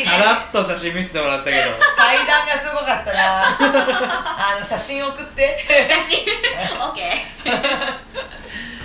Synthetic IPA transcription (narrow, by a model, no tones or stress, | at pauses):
aɾat̪ːoɕaɕĩmʲːisɨ̥t̪emoɾat̪ːaked̪okaid̪aːɡasɨɡo̞kat̪ːaɾa | ano̞ɕaɕĩɰ̃okɯ̟t̪ːe̞ɕioke